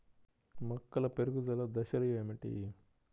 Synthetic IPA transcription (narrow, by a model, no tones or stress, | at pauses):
mɐkːɐlɐpeɾuɡud̪ɐlɐd̪ɐʃɐlujeːmiʈḭ